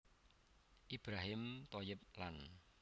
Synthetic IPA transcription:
ʔib̥ɾaɦɪmt̪ojəp̚lan

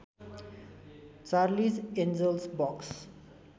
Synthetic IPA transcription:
t͡ʃaɾlisɛ̃nzəlsbɔks

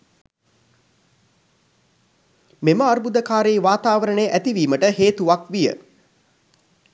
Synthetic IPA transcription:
meməaɾbud̪əkaːɾeːʋaːt̪aːʋəɾəɳeʔæt̪iʋiːməʈəɦeːt̪uʋakʋijə̰

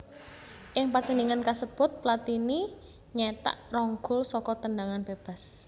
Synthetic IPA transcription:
ʔɪŋpərt̪əniŋankasəb̥ʊ̤t̪̚plat̪ini | ɲɛt̪a̰ʔrɔŋɡʊlsɔkɔt̪əndaŋanb̥eb̥a̤s

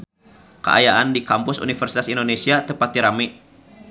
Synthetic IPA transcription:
kə̰ʔa̰jaʔandikampʊsṵnifərsi̥t̪asindonesiat̪əpat̪iɾamɪ

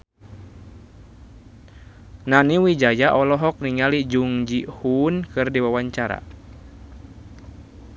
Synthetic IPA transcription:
naniwid͡ʒajaʔɔlɔɦɔk̚niŋalid͡ʒuŋd͡ʒihunkɨrdiwawaɲt͡ʃaɾa̰

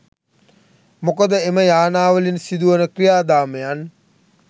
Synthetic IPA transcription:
mokəd̪əeməjaːnaːʋəlinsid̪uʋənəkɾijaːd̪aːməjan

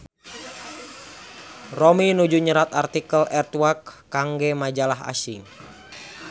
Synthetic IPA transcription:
rominud͡ʒuɲəɾat̪art̪ikəlʔɛrt̪wakːaŋɡɛmad͡ʒalaɦa̰siŋ

